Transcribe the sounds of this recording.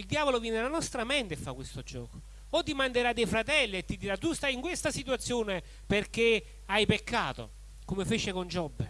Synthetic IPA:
ild̪jaːvolovjɛnelanɔst̪ɾamɛnt̪efːakːwest̪od͡ʒɔ̰ːko̥ | ot̪ːimand̪eɾad̪ɛjfɾat̪ɛlːiet̪ːid̪iɾat̪ːust̪ajiŋkwest̪asit̪wat̪sːjoːne | perk̟e | ajpekːa̰ːt̪o̰ | komefet͡ʃɪkond͡ʒɔbːe

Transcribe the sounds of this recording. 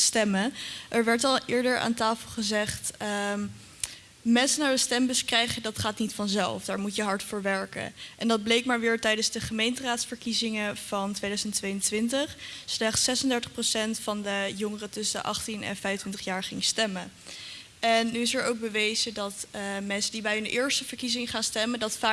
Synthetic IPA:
stɛməʔɛɹʋɛɹtɑlˠʔɪːɹdəɹa̰ːntaːfəlˠχəzɛχtə | mɛnsənaːɹəstɛmbɵskrɛjχədɑtχaːtnitfɑnzɛ̰lˠfdaːɹmutjəɦɑɹtfəːɹʋɛɹkə̰ʔɛndɑd̚blejkmaːɹʋɪːɹtɛjdənzdəχəmejntəraːtsfəɹkizɪŋəv̥ɑntʋejdœɥzəntʋejəntʋɪntəχslɛχtsɛsəndɛɹtəχprosɛntfɑndəjʊŋərətɵsədə̰ʔɑ̰χtinɛ̰nfɛjfəntʋɪntəχjaːɹχɪŋstɛmə | ɛnːyɪsəɹowk̚bəʋejzədɑtmɛnsədibɛjndəʔɪːɹstəvəɹkizɪŋəχaːnstɛmədɑtfaː

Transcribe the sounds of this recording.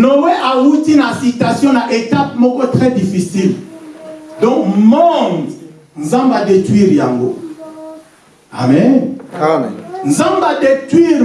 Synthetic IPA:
nowɛʔawutinasitasjɔ̃naʔetap̚mɔkɔtʁɛdifisil | dɔ̃kmɔŋ | nzãmbadetwiʁjaŋɡo | a̰mɛn | nzãmbadetwiʁ

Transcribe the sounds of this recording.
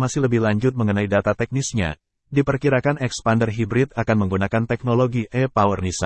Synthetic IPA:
masɪhləbɪhlaɲd͡ʒʊt̪̚məŋənaidat̪at̪ɛk̚nisɲa̰ | dipərkiɾakanɛkspandərɦibɾɪt̪̚akanməŋɡunakant̪ɛk̚noloɡiʔɛpawərnisa̰

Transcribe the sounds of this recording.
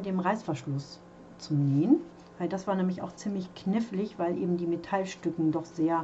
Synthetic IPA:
deːmʁaɪsfɛɐʃlʊs | t͡suneːən | vaɪldasv̥aːɐnɛːmlɪça̰ʊxt͡siːmlɪçkʰnɪflɪçv̥aɪlʔḛːbm̩diːmetʰalʃtʏkŋ̩dɔχz̥eːɐ

